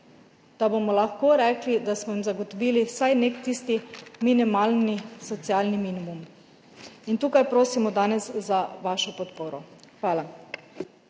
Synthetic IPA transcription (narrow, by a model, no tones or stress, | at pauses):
d̪̥abomɔlaxkoːɾɛːklid̪asmɔimzaɡɔt̪ɔʋiːlisajneːkt̪iːst̪iminimalnisɔt̪sialnimiːnimum | int̪uːkajpɾoːsimɔd̪aːnɛszaʋaːʃɔpɔt̪poːɾɔxʋaːla